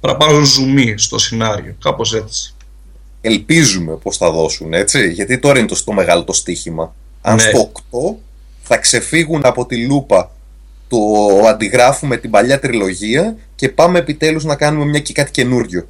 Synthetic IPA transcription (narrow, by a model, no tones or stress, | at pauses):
pɐɾɐpɐnunzumist̪o̞̰sinɐɾḭokɐpos̬e̞t͡si̥ | e̞lpizume̞po̞sθɐðo̞sune̞t͡siʝɐt̪it̪o̞ɾɐint̪ost̪o̞me̞ɣɐlo̞t̪o̞st̪içimɐ | ɐnset̪o̞ːkt̪o̞ | θɐkse̞fiɣunɐpo̞t̪ilupɐ | t̪oɐnd̪iɣɾɐfume̞t̪ibɐʎɐt̪ɾilo̞ʝiɐ | ce̞pɐme̞ːpit̪e̞luznɐkɐnume̞mɲɐcekɐt̪i̥ce̞nuɾʝo̞